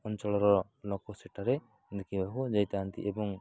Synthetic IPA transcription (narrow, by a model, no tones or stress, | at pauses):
ɔnt͡ʃɔlɔɾɔ | lɔkɔsɛʈaɾɛ | d̪ɛkʰibaɦud͡ʒajt̪aant̪ḭʔɛbɔŋ